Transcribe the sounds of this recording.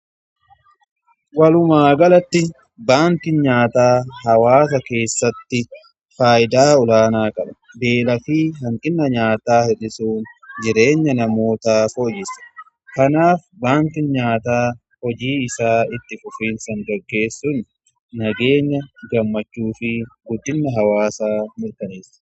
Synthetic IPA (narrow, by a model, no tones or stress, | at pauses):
wɐlʊmaːɡɐlɐt̪ːɪ | baːnt̪ɪnɲaːt̪aːɦɐwaːs̬ɐke̞ːsːɐt̪ːɪ | faːʔɪd̪aːʊlaːnaːkʼɐlɐ̥ | be̞ːlɐfiːɦɐŋkʼɪnːɐɲaːt̪aːhɛᶑɪsuːnd͡ʒɪɾe̞ːɲːɐnɐmo̞ːt̪aːfoːd͡ʒɪsːɐ̥ | kɐnaːf | baːnt̪ɪnɲaːt̪aː | hɔd͡ʒiːɪsaːɪt̪ːɪfʊfiːnsɐŋɡɐɡːe̞ːsːʊnː | ɐɡe̞ːɲːɐɡɐmːɐt͡ʃːuːfɪɡʊd̪ːɪnːɐɦɐwaːsaːmɪɾkɐneːsːɐ̥